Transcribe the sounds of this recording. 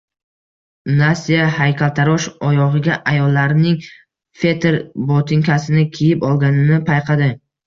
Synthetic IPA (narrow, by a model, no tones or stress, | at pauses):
nasijahajkʲʰalˠt̪ʰaɾɒʃɒjɒʁɨɡʲaʔajɒlˠːaɾɪnɪŋ | fe̞t̪ʰeɾbot̪ʰɪŋkʰʲasɪnɪkʲʰejɪpɒlˠɡʲanɪnɪpʰajqʰɑd̪ɪ